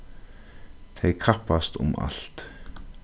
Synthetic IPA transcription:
t̪ʰejkʰapast̪ʊ̰mʔa̰ɬt̪

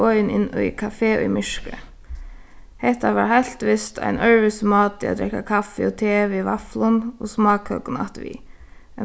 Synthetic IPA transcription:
ɔjnɪnːʊ̰jkʰafeːʔʊ̰jmɪʂkə̰ | hɛht̪aʋaːɹhal̥t̪ʋɪst̪ʰa̰ɪnʔœɹʋɪsmɑːt̪ia̰d̪ɾɛkːakʰafɪɔt̪ʰeːʋiʋa̰flʊnɔsmɑːkhœ̰kʊna̰ht̪ʋḭː | ɛ

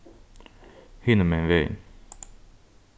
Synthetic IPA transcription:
hinəmɛnvḛn

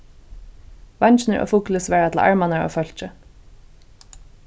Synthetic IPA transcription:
vɑnt͡ʃnəɹʔɔ̰ːfuːkləsʋɛːɹat̪ʰɪla̰ɹmanaɹo̰ːfœl̥t͡ʃə

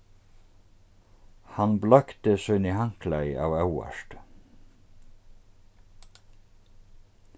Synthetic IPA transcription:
hanblœkt̪əsœɥnɪhaŋ̥klaja̰ːwɛwa̰ʂt̪

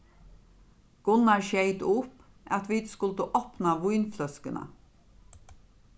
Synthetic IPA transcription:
ɡ̥ʊnɑʃæɪt̪ʊp | ʔɑt̪ʋiːd̪skʉlt̪əʔopnɑʋuʏnflœskənʔə̰

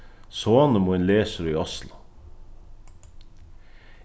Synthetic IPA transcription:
soːnəmoːenleːsəɾəiːɔslɑ

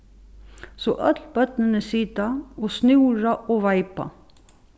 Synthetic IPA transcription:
soːʔœt̪lbœt̪nənəsit̪ɑoːsnʉːɹɑʔoːʋɑɪpɑ̰

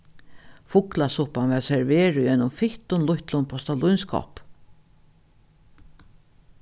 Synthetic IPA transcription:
fʊklasʊhpanʋɛsɛɹveːɹʊjɛnʊmfɪht̪ʊnlʊht̪lʊnpʰɔst̪alʊjnskʰɔ̰p

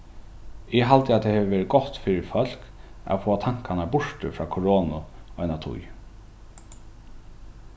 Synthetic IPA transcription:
ɪɦalt̪əat̪ʰɛːhɛːʋəʋeːɾɪt̪̚ɡ̥ɔht̪fɪːɾɪfœl̥ka̰foːat̪ʰaŋ̥kanabʊʂt̪əfɾɑːkʰɔɹoːnʊɔjnat̪ʰʊ̰j

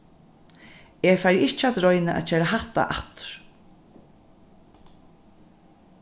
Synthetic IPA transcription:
ɛfajɾɪht͡ʃat̪ɾɔjnɪʔa̰ðt͡ʃʰɛːɾaɦaht̪a̰ʔa̰ht̪ɾ̥

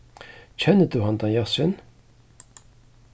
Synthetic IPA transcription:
t͡ɕʰɛnːəd̪ʉːhɑnd̪ɑnjɑsən

